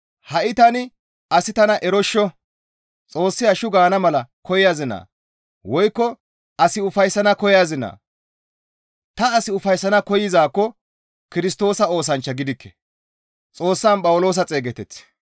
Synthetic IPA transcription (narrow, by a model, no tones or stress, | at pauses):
hɐʔɪt̪ɐnɪ | ɐsɪt̪ɐnɐʔɛɾɔʃːɔ | t͡sʼo̞ːsːɪjaʃʊɡaːnɐmɐlɐkʰɔjɪjaːzɪna̰ː | wɔjkːɔ | ɐsɪʊfɐjsːɐnɐkɔjjazɪna̰ː | t̪ɐːsɪʊfɐjsːɐnɐkɔjɪzaːkːɔ | kɪɾɪst̪o̞ːsɐo̞ːs̬ɐnt͡ʃːɐɡɪd̪ɪkːɛ̥ | t͡sʼo̞ːsːaːnpʼɐwʊlo̞ːs̬ɐt͡sʼe̞ːɡɛt̪ɛt͡s